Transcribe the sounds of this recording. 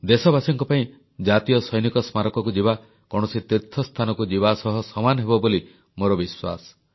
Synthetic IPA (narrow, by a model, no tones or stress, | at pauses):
d̪esɔbasɔŋkɔpaĩ | d͡ʒat̪ijɔsɔjnikɔsmaɾɔkɔkud͡ʒiba | kɔɽ̃ɔsit̪iɾt̪ʰːɔst̪ʰanɔkud͡ʒiβasɔɦɔsɔmanɔɦebɔboli | moɾɔbiswa̰sɔ̥